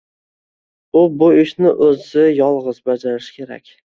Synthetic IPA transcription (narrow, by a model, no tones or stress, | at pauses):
ʊbʊɪʃnɪʔɵzɪjɒlˠʁɨzbad͡ʒaɾɪʃɪ̥kʲʰe̞ɾa̰kʲ